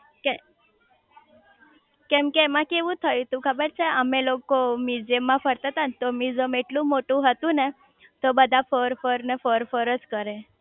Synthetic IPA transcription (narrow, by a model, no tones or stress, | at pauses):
kɛ | kɛ̃mkemãkeʋũt̪ʰəjt̪ũkʰəbəɾt͡ʃʰeəmelokomid͡ʒemːãfəɾt̪at̪ant̪omid͡zəmeʈlũmoʈũɦət̪ũne | t̪obəd̪ʱafoɾfəɾnefoɾfoɾəd͡zkəɾe